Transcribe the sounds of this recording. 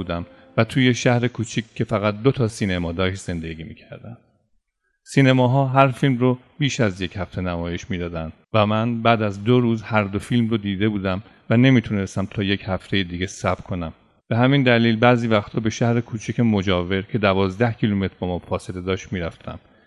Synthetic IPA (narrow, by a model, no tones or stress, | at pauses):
uːd̪æm | væt̪ʰuːje̞ʃæhɾe̞kʰuːt͡ʃʰicːe̞fæɣæt̪̚d̪ot̪ʰɒːsiːnemɒːd̪ɒːʃt̪z̥e̞nd̪e̞ɡiːmiːcʰæɾd̪ænd̪̥ | siːne̞mɒːɦɒːɦæɾfilmro | b̥iːʃæzje̞chæft̪e̞næmɒːje̞ʃmiːd̪ɒːd̪ænd̪væmænbæːd̪æzd̪oɾuːzhæɾd̪o̞filmrod̪iːd̪e̞buːd̪æm | væne̞miːt̪ʰune̞st̪æmt̪ʰɒːje̞chæft̪ʰe̞jed̪iːɡesæb̥kʰo̞næm | b̥e̞hæmind̪æliːlbæːziːvæxt̪ʰɒːbe̞ʃæhɾekʰuːt͡ʃʰicemo̞d͡ʒɒːve̞ɾcʰe̞d̪ævɒːzd̪æhcʰiːlume̞t̪ʰɾbɒːmɒːfɒːse̞le̞d̪ɒːʃt̪miːɾæft̪ʰæ̰m